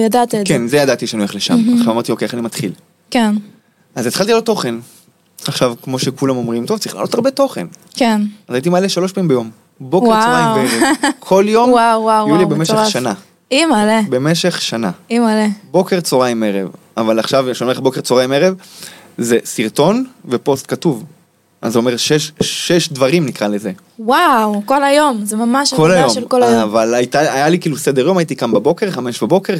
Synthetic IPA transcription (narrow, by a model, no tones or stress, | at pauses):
jad̪at̪kenzejad̪at̪iʃanujaχleʃa̰maχʃavamaʁt̪io̞keeanimat̪χil | ken | azet̪χalt̪ilo̞t̪o̞χe̞n | aχʃavkmo̞ʃekulamo̞mʁimt̪o̞vtt͡saʁiχla̰ːlot̪aʁbe̞t̪o̞χḛnkenazait̪̬imaleʃalo̞ʃpaimbejo̞m | bo̞keaoajeʁekʰo̞ljo̞mwawwawjulibemeʃeχʃana | imalebe̞meʃe̞χʃana̰imalebo̞keʁt͡soʁajimeʁḛv | avalaχʃavʃomeebo̞keʁt͡soʁajmeʁev | ze̞siʁt̪o̞nve̞po̞st̪̚katuv | ʔa̰zuome̞ʃeʃʃeʃdvaʁimnikʁaleze̞ | wawkolajomzemamaʃkolajomelkolajavalajit̪aajalikiːlused̪eʁjo̞mait̪ikambabo̞ke̞ʁχameʃbabo̞ke̞ʁ